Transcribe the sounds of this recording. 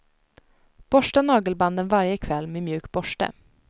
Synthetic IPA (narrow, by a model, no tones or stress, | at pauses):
b̥ɔʂʈənɑːɡəlband̪ənvaɾjəkʰvɛlːmeːmjʉ̟ːk̚bɔʂʈə̰